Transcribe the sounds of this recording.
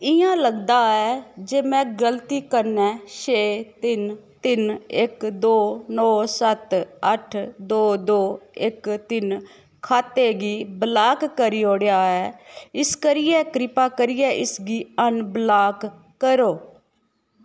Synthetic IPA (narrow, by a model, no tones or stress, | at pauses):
ɪjãːləɡd̪aːɛːd͡ʒeːmɛ̃ːɡəlt̪iːkəɾnɛ̃ːʃeːt̪ɪnt̪ɪnɪkd̪oːnɔːsət̪əʈʰd̪oːd̪oːɪkt̪ɪn | kʰaːt̪eːɡiːblaːkːəɾiːoːɽɪjaːɛːɪskəɾɪjɛːkɾɪpaːkəɾɪjɛːʔɪsɡiːənblaːkː | əɾoː